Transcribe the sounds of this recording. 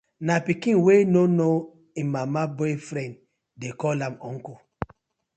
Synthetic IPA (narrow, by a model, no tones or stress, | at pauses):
napikĩnwenono | ĩmːamabɔjfɾɛ̃n | dekɔlãmɔ̃ŋko